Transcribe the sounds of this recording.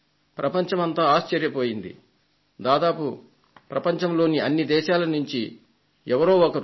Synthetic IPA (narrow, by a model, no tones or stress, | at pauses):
pɾɐpɐɲt͡ʃɐmɐnt̪aːaːʃt͡ʃɐɾjɐpo̞ːjind̪ḭ | d̪aːd̪aːpu | pɾɐpɐɲt͡ʃɐmlo̞ːniɐnːid̪ɛːʃaːlɐnuɲt͡ʃi | ɛʋɐɾo̞ːɔkɐɾ